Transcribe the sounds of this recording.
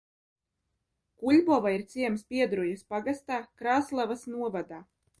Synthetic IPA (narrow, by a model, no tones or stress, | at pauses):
kuʎʲbɔvaiɾt̪siɛmspiɛd̪ɾujuspaɡast̪aːkɾaːslˠavasnuɔvad̪aː